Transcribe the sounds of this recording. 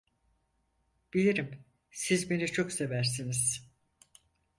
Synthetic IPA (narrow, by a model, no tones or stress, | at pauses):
b̥ilʲiɾim | sizbe̞nit͡ʃʰo̞kse̞væɾs̬iniz̥